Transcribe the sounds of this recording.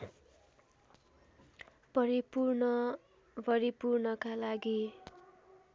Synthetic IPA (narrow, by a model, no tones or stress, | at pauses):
pʌɾipurnʌ | bʌɾipurnʌkalaɡi